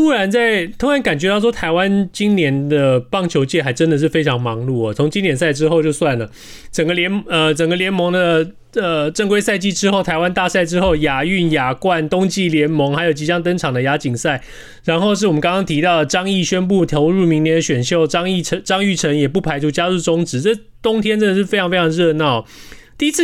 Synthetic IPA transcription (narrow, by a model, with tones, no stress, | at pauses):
t̪ʰu˥ɻa˧˥nt͡sa˥˩ɪt̪ʰo˥ŋɻa˨˦nŋka˨˩nt͡ɕɥɛ˧˥t̪ɑ˥˩ʊʂwɔ˥t̪ʰa˧˥ɪwa˦˥nt͡ɕi˥nnjɛ˧˦nd̪ə˨pɑ˥˩ŋt͡ɕʰjo˧˥ʊt͡ɕjɛ˥˩xa˧˥ɪʈ͡ʂə˦˥nd̪ə˨ʂ̬̩˥˩fe˥ɪʈ͡ʂʰɑ˧˥ŋmɑ˧˥ŋlu˥˩ə˩t͡sʰo˧˥ŋt͡ɕi˥njɛ˨˩ns̬a˥˩ɪʈ͡ʂɻ̩˥xo˥˧ʊt͡ɕjo˥˧ʊswa˥˩nlə˩ | ʈ͡ʂə˨˩ŋɡə˦ljɛ˧˥nə˧ʈ͡ʂə˨˩ŋɡə˧ljɛ˧˥nmɤ˧˥ŋd̪ə˧ | ə˩ʈ͡ʂə˥˧ŋkwe˥ɪsa˥˧ɪt͡ɕi˥˩ʈ͡ʂɻ̩˥xo˥˩ʊt̪ʰa˧˥ɪwa˥˦nt̪a˥˧sa˥˩ɪʈ͡ʂɻ̩˥xo˥˩ʊja˨˥y˥˩nja˨˩kwa˥˨nt̪ʊ˥ŋt͡ɕi˥˩ljɛ˧˥nmɤ˧˥ŋxa˧˥ɪjo˨˩ʊt͡ɕi˧˥t͡ɕjɑ˥ŋt̪̬ə˥ŋʈ͡ʂʰɑ˨˩ŋd̪ə˩ja˧˥t͡ɕi˨˩ŋsa˥˩ɪ | ɻa˧˥nxo˥˧ʊʂ̬ɻ̩˥˩wɔ˨˩ə˧˦kɑ˥ŋkɑ˥ŋt̪ʰi˧˥t̪ɑ˥˩ʊd̪ə˩ʈ͡ʂɑ˥ŋi˥˩ɕɥɛ˥np̬u˥˩t̪ʰjo˧˥ʊɻu˥˩mi˧˥ŋnjɛ˧˥nd̪ə˧ɕɥɛ˨˩nɕjo˥˧ʊʈ͡ʂɑ˥ŋi˥˩˧ʈ͡ʂɑ˥ŋy˥˩ʈ͡ʂʰə˧˥njɛ˨˩pu˥˩pʰa˧˥ɪʈ͡ʂʰu˥t͡ɕja˥ɻu˥˩ʈ͡ʂʊ˥ŋʈ͡ʂɻ̩˧˥˦ʈ͡ʂə˥˩ | t̪ʊ˥ŋt̪ʰjɛ˥nʈ͡ʂə˥nd̪ə˨˩ʂɻ̩˥˩fe˥ɪɑ˧˥ŋfe˥ɪʈ͡ʂʰɑ˧ɻɤ˥˧nɑ˥˩ʊ˩t̪i˥˧i˥t͡sʰ